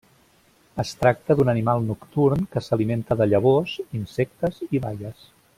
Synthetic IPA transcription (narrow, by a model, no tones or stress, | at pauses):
əst̪ɾak̚t̪əðunənimalˠnukt̪uɾnkəsəliment̪əðəʎəβ̞ozinsɛk̚t̪əziβajəs